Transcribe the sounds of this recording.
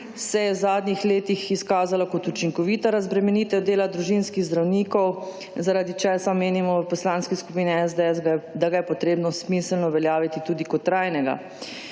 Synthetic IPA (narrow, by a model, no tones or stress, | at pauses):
sɛjɛzaːd̪nʲixleːt̪ixiskaːzalakɔt̪ut͡ʃiŋkɔʋiːt̪aɾazbɾɛmɛniːt̪ɛd̪eːlad̪ɾuʒinskiɣzd̪ɾawnikɔw | zaɾaːd̪it͡ʃɛsameːnimɔpɔslaːnskiskupiːniɛzd̪ɛɛsɡd̪aɡajɛpɔt̪ɾeːbnɔsmisəlnɔʋɛljaːʋit̪it̪uːd̪ikɔt̪ːɾajnɛɡa̰